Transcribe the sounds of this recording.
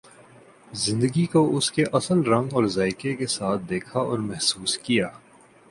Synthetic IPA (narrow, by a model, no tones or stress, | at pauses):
zɪ̃nd̪əɡikoʔʊskeʔɐsəlɾɐ̃ŋɡɔːɾzaːɪkekesaːt̪̚ʰd̪eːkʰaɔ̰ːɾmɛɦsuːskijaː